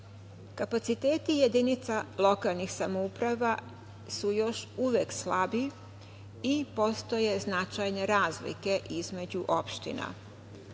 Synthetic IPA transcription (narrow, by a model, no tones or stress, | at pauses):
kapat̪sit̪e̞ːt̪ijed̪init̪salo̞kalˠnixsamoupɾaʋa | sujo̞ʃuʋeːkslabi | ipo̞st̪o̞je̞znat͡ʃajne̞ɾaːzlḭke̞ʔizme̞d͡ʑuʔo̞pʃt̪ḭna̰